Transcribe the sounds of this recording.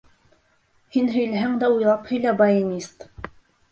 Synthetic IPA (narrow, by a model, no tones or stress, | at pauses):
hinɦɵ̆jlæɦæŋd̪æujlˠɑphɵ̆jlæbɑjɘnʲist̪